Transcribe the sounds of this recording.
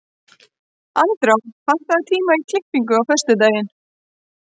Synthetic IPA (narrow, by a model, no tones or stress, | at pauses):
ant̪ɾafan̥t̪aðt̪ʰiːmaik̪ʰlɪkpiŋkʏawfœr̥st̪ʏt̪̬aːjɪn